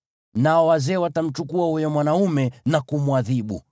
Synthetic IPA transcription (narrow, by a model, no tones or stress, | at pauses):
naɔwazɛːwatam̩t͡ʃukuahujɔmwanaumɛnakumwaðiɓṵ